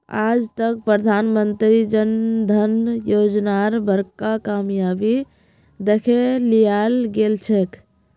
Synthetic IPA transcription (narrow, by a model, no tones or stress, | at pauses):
a̰d͡ʒt̪əkpɾəd̪ʱanmənt̪ɾid͡ʒənd̪ʱənjod͡ʒnaɾbəɾkakamjabi | d̪ekʰelijalɡelt͡ʃʰɛk